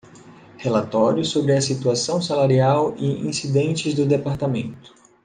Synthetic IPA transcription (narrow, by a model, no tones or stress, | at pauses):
helat̪ɔɾjʊsobɾɪɐsit̪uasɐ̃w̃salaɾiawɪḭ̃sid̪ẽnt͡ʃɪzd̪ʊd̪epaɾt̪amẽnt̪ʊ̥